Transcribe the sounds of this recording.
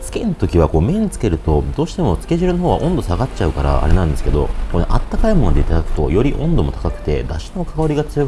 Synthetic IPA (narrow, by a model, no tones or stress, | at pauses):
sɨ̥kʲenot̪o̞kʲiβ̞ako̞ːmẽ̞ɲ̟it͡sɨ̥ke̞ɾɯ̟t̪o̞d̪o̞ːɕi̥t̪emo̞sɨ̥kʲe̞ʑɨɾɯ̟no̞ɦoːβa̰ʔõ̞nd̪o̞saɡat͡ɕaɯ̟kaɾa̰a̰ɾe̞nãnd̪esɨ̥ke̞d̪o̞̰ko̞nḛʔat̪ːakaimo̞nod̪et̪ad̪akɯ̟̥t̪o̞̰jo̞ɾʲiʔõ̞nd̪o̞mo̞t̪ḁkakɯ̟̥t̪e̞̰d̪aɕi̥nokaɡaɾʲiɡat͡sɨjo̞k